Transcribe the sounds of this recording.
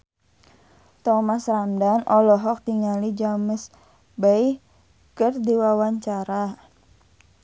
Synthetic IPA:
t̪ɔmasramdanʔɔlɔɦɔk̚t̪iŋalid͡ʒaməs | baj | kərdiwawaɲt͡ʃaɾa

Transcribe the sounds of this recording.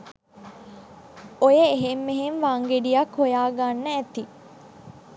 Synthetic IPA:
ojəeɦemːeɦenʋaŋɡeɖijɐkhojaːɡanːəæt̪i

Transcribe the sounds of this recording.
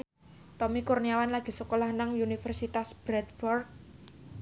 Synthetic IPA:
t̪ɔmikurniawanlaɡ̥e̤səkolahnaŋunifɛrsit̪asb̥ɾɛt̪̚fɔrk̚

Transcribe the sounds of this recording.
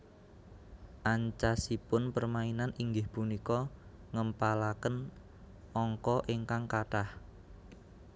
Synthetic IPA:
ʔaɲt͡ʃasipʊnpərmainaniŋɡɪhpunikɔ | ŋəmpalakən | ɔŋkɔʔeŋkaŋkaʈah

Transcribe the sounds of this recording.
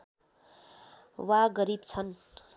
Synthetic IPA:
waɡʌɾibt͡sʰʌn

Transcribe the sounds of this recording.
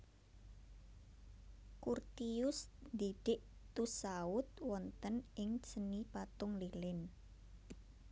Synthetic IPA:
kurt̪iʊsd̪iɖ̥ɪʔt̪usaʊt̪wɔnt̪ənɪŋsənipat̪ʊŋlilɪn

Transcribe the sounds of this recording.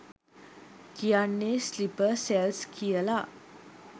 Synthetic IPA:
kijanːeslipəɾsɛlskijəla

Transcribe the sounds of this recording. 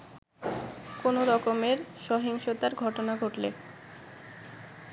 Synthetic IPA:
konoɾɔkomeɾʃɔɦiŋʃot̪aɾɡʱɔʈonaɡʱoʈlḛ

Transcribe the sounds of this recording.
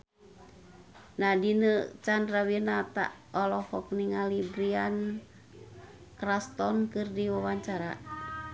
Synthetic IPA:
nadinət͡ʃandɾawinat̪a̰ʔ | ɔlɔhɔk̚niŋalibɾian | kɾast̪ɔnkɨrdiwawaɲt͡ʃaɾa

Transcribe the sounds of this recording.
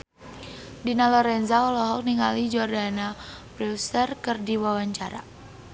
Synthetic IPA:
dinalɔɾɛnzaɔlɔɦɔk̚niŋalid͡ʒɔrdanapɾɛwst̪ərkərdiwawaɲt͡ʃaɾa̰

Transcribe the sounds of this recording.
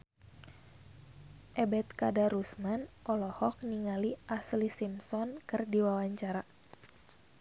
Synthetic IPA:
ʔɛbɛt̪̚kadaɾusmanʔɔlɔhɔk̚niŋaliʔaslisimsɔnkɨrdiwawaɲt͡ʃaɾa

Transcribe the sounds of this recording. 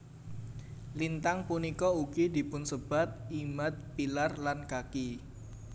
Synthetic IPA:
lint̪aŋpunikɔukid̪̥i̤pʊnsəb̥a̤t̪̚imat̪̚pilarlankaki

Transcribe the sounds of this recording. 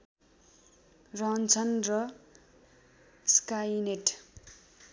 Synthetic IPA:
rʌnt͡sʰʌnrʌ | skajneʈ

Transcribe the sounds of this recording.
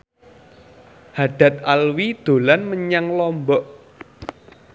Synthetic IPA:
haɖ̥a̤t̪̚alwid̪̥o̤lanməɲaŋlɔmbɔʔ

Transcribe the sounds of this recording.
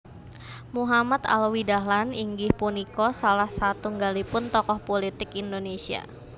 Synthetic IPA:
muɦamat̪a̰lwidaɦlaniŋɡɪhpunikɔsalahsat̪uŋɡalipʊnt̪ɔkɔhpolit̪ɪkindonesia̰

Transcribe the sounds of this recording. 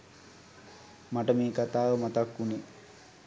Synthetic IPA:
maʈəmeːkat̪aːʋəmat̪akːuni

